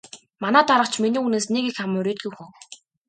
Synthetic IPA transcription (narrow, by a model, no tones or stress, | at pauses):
manæːt̪aɾə̆t͡ɕʰminiːuneːsneɣixamɵɾʲeːt̪̚ɡujxʊ